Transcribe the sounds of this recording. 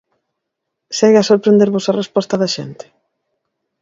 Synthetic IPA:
seɣasoɾpɾend̪eɾβosarespɔst̪ɐðɐʃḛnt̪ɪ̥

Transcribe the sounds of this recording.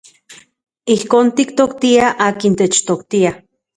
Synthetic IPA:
ihkoːnt̪ikt̪okt̪iaʔaːkint̪et͡ʃt̪okt̪ia

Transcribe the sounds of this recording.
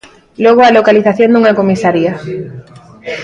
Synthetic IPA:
loɣ̞oalokaliθaθjond̪uŋakomisaɾia

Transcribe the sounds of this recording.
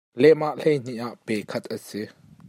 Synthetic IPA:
lɛmaʔɬejn̥iʔaʔpɛkʰɐt̪̚ʰʔəsɪ

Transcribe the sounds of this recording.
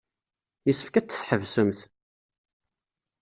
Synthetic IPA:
jisə̥fkæt͡sːə̥θħəvsəmθ

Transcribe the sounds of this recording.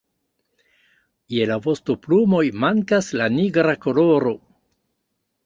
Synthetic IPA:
jelavo̞stoplumo̞jmaŋkaslaniɡɾako̞lo̞ɾo̞

